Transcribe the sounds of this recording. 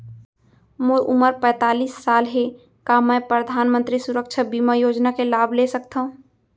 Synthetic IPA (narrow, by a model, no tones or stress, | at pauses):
moʔʊməɾpɛ̃ːt̪aːliːsːaːlɦe | kamɛ̃pɾəd̪ʱaːnmə̃nt̪ɾisʊɾəkʃʰəbimajoːd͡ʒnakelaːbʱlesək̚t̪aɦũ